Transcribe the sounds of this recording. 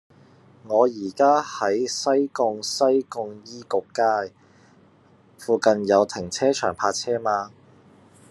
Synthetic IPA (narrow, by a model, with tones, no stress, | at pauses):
ŋɔː˨˧jiː˨˩kaː˥hɐ˨˥jsɐ˥jkʊ˧ŋsɐ˥jkʊ˧ŋjiː˥kʊ˨kːaː˥j | fuː˨˧kɐ˧njɐ˨˧wt̪ʰɪ˨˩ŋt͡sʰɛː˥t͡ʃʰœː˨˩ŋpʰaː˧t͡sʰɛː˥maː˧